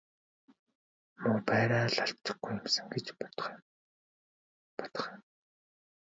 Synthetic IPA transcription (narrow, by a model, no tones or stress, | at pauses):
mɵpæːɾaːɮaɬt̪ːə̆ɡɡujːə̆msə̆ŋɡet͡ɕpt̪χm | pɔ̥t̪ɞ̥̆χim